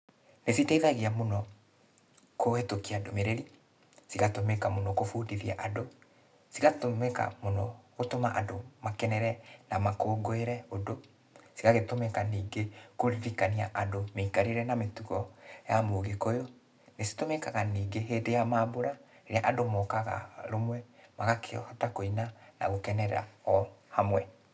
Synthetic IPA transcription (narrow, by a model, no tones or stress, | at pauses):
nesiteiðaɣiamonɔ | kohetokiadomeɾeɾi | siɣatomɛkamonɔkofuːdiðiaʔado | siɣatomɛka̰monɔɣotoma̰ʔadomakɛnɛɾɛnamakoːɡoeɾɛodo | siɣaɣetomɛkaniːɡekoɾikania̰ʔadomeikaɾeɾɛnametuɣɔjamoːɣekojo | nesi̥tomɛkaɣaniːɡeɦeːdejamaːboɾa | eɾeaʔadomɔːkaɣa̰ɾomwɛmaɣakʰeɔhɔtakoinana̰ɣokɛnɛɾa̰ɔhamwɛ